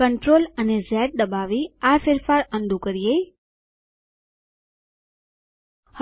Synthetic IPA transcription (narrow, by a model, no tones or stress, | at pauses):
əɳʈɾolənezɛʈ̚d̪əbaʋiafɪɾfaɾənd̪ʱũkəɾije | h